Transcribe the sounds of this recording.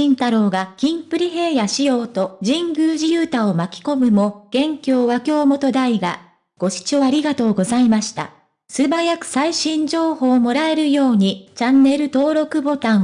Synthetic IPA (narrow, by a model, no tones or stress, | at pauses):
ĩnt̪aɾo̞ːɡakʲĩmpɯ̟ɾʲiɦe̞ːjaɕijo̞ːt̪o̞ʑĩŋɡɯ̟ːʑijɯːt̪aomakʲi̥ko̞mɯ̟mo̞ɡ̥ẽ̞ŋkʲo̞ːβakʲo̞ːmo̞t̪o̞d̪aiɡa | ɡ̥o̞ɕi̥t͡ɕoaɾʲiɡat̪o̞ːɡo̞zaimaɕi̥t̪a̰ | sɨbajakɯ̟̥saiɕĩɲ̟d͡ʑo̞ːho̞ːmo̞ɾae̞ɾɯ̟jo̞ːɲ̟it͡ɕanːe̞ɾɯ̟t̪o̞ːɾo̞kɯ̟bo̞t̪ã